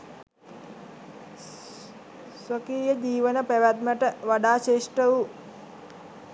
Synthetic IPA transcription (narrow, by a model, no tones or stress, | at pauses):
sʋəkiːjəd͡ʒ̪iːʋənəpæʋæt̪̚məʈəʋaɖaːt͡ʃeːʂʈəu